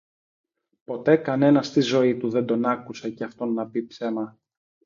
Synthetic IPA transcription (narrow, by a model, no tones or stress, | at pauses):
po̞t̪e̞kɐne̞nɐst̪izo̞it̪uðend̪o̞nɐkuse̞ceɐft̪o̞nːɐpipse̞mɐ